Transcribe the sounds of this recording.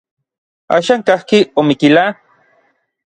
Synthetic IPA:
a̰ːʃaŋkahkiomikila

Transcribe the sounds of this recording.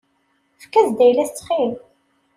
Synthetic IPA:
fkːæθd̪æjlæst͡sːχil

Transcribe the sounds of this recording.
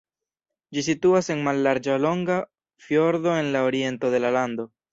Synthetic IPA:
d͡ʒis̬ituase̞nmalːaɾd͡ʒalo̞ŋɡa | fjo̞ɾdo̞e̞nlaoɾie̞nto̞ðe̞laland̪o̞

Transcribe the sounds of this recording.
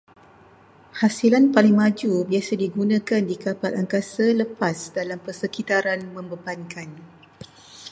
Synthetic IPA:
hasilanpalɪŋmãd͡ʒubiasadiɡunãkandikapalʔaŋkasaləpasdalampərsəkit̪aɾanmə̃mbəbankan

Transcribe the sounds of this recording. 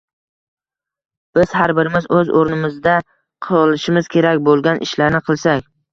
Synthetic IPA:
b̥ɪz̥haɾbɪɾɪmɪzɵzo̰ɾnɪmɪzd̪a | qʰlˠɪʃɪmɪz̥kʲʰe̞ɾakʲbolˠɡʲanʔɪ̰ʃlaɾnɪqʰɨlˠsakʲ

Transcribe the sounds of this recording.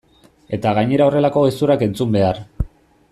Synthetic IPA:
e̞t̪aɣaɲe̞ɾao̞re̞lako̞ɣesuɾake̞nt͡sumbe̞ar

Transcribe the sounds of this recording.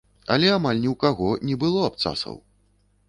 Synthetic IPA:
ɐ̰lʲɛamalʲnʲiwkaɣɔnʲɛbɨlˠɔapt̪sa̰sɐ̰w

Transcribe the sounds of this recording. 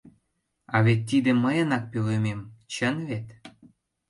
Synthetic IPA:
ɑβet̪ːid̪ĕməjənɑk̚pelømemt͡ɕənβet̪

